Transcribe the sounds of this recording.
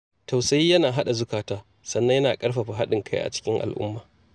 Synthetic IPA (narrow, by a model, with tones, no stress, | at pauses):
ta˨wsɐ˨˦jiː˦jɐ˦naː˨ɦa˦ɗa˨zʊ˦kaː˨taː˦ | sɐ˨nːɐ˦jɐ˦naː˨kʼɐ˦ɽɸa˨ɸa˨ɦa˦ɗɪ˨ŋkʰa˦jʔa̰˨t͡ʃɪ̥˦kʲɪ˦ŋʔa̰˨lʔʊ̰˦mːaː˨